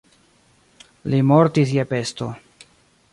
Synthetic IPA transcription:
limo̞ɾtis̬jepe̞st̪o̞

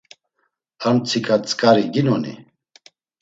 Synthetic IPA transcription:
ant͡sʰikʰat͡sʼkʼaɾiɡinɔnḭ

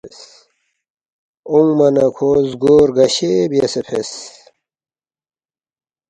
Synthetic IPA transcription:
s | uŋmɐnɐkʰozɡoːɾɡɐɕebijesepʰes

